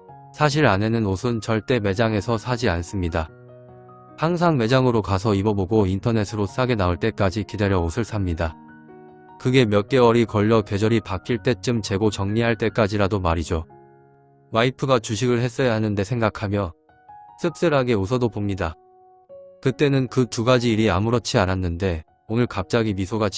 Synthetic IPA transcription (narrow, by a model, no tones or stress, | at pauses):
sʰaɕ̬ʰiɾanenɯnosʰɯnt͡ɕʌɭt͈e̞me̞d͡ʑaŋe̞sʰʌsʰad͡ʑians͈ɯmɲida | haŋs̬ʰaŋme̞d͡ʑaŋɯɾokas̬ʰʌibʌboɡointʰʌne̞sʰɯɾos͈aɡe̞naoɭt͈e̞k͈ad͡ʑikide̞ɾjʌosʰɯɭs͈ʰamɲida | kɯɡe̞mjʌt̚k͈e̞wʌɾikʌʎːʌkwe̞d͡ʑʌɾipak͈ʰiɭt͈e̞t͡ɕ͈ɯmt͡ɕe̞ɡot͡ɕʌŋɲiɦaɭt͈e̞k͈ad͡ʑiɾadomaɾid͡ʑo | waipʰɯɡat͡ɕuɕ̬ʰiɡɯɭɦe̞s͈ʌjaɦanɯnde̞sʰe̞ŋɡakʰamjʌ | s͈ʰɯk̚s͈ɯɾɦaɡe̞osʰʌdopomɲida | kɯt͈e̞nɯnkɯtuɡad͡ʑiːɾiamuɾʌt͡ɕʰiananːɯnde̞ | onɯɭkap̚t͡ɕ͈aɡimisʰoɡa